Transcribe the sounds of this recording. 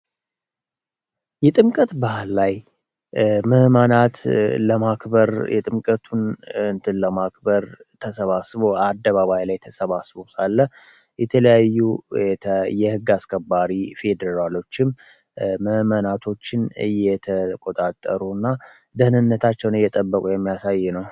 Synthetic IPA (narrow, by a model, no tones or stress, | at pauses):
jɛt̪ʼɨmkʼət̪bahlːaj | məhmənat̪ləmakbəɾjɛt̪ʼɨmkʼət̪ʰunɨnt̪ʰɨnləmakbəɾt̪ʰəsəβasβoad̪ːəβaβajlajt̪ʰəsəβasbo̞salːəh | jɛt̪ʰələjajːu | jɛhɨɡːaskʰəbːaɾife̞d̪əɾalo̞t͡ʃːɪm | məhmənat̪ʰo̞t͡ʃːɪnɨjːɛt̪ʰəkʼo̞t̪ʼat̪ʼːə̰ɾunːa | d̪əhnɨnːət̪ʰat͡ʃːɛwnɨjːɛt̪ʼəbːəkʼujɛmːijasajːɪnəw